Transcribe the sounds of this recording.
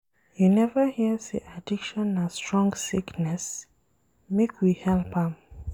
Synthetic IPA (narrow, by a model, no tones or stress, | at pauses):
junɛvəhiəsḭʔadikʃɔ̃nastɹ̥ɔ̃ŋɡsiknɛs | mekʰwihɛlpãm